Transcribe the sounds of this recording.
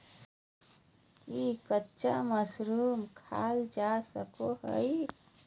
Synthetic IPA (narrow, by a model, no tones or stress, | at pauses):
kikətːʃaməsɾumkʰa̰ld͡ʒasəkoɦə̰j